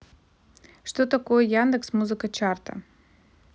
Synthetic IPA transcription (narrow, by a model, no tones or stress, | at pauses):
ʂt̪ot̪ɐkojɛjand̪ɨksmuzɨkət͡ʃart̪ɐ̰